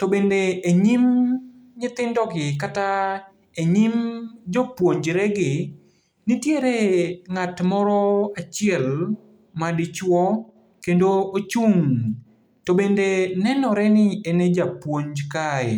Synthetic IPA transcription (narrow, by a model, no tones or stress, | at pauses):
tɔbendeːɲim | ɲɪt̪ɪndɔɡɪkata | eɲimd͡ʒɔpwoɲd͡ʒɾɛɡɪ | nɪtjeɾeŋatmɔɾɔat͡ʃɪɛl | madɪt͡ʃwɔ | kendoot͡ʃuŋ | tobendenɛnɔɾɛnɪened͡ʒapwoɲd͡ʒkaɛ̰